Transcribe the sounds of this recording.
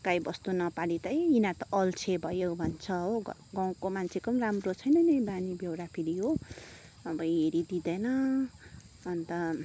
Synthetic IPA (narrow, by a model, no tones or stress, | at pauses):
kajbʌst̪unʌpaɽit̪ʌjinat̪ʌʔʌlt͡sʰebʱʌjobʱʌnt͡sʰʌɦoɡaw̃komant͡sʰekʌmramrot͡sʰʌjnʌnʌbanibjewɽapʰiɾiɦo | ʌbʌeɾid̪id̪ʌnʌ | ʌnt̪ʌ